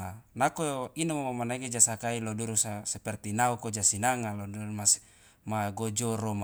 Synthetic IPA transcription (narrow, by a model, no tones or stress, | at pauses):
nakoinamomamanaiɡed͡ʒasakailoduɾusasɛpɛrt̪inaukod͡ʒasinaŋalodurmas | maɡod͡ʒɔɾoma